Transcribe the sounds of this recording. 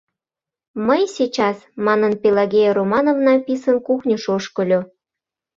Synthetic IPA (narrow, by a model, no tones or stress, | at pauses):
məjsʲit͡ɕɑsmɑnənpʲelɑɣʲejɾomɑnovnɑpisənkuxnʲəʃoʃkəlʲo